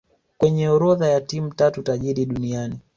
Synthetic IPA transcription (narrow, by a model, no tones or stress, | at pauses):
kwɛɲɛɔɾɔðajatimutatutaʄiɾiɗuniani